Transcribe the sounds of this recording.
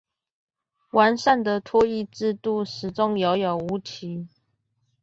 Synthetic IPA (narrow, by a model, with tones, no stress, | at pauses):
wa˨˦nʂa˥˩nd̪ə˨t̪ʰwɔ˥i˥˧ʈ͡ʂɻ̩˥˧t̪u˥˩ʂɻ̩˨˩ʈ͡ʂʊ˦ŋjo˧˥ʊjo˨˩ʊu˧˥˦t̪ʰi˨˦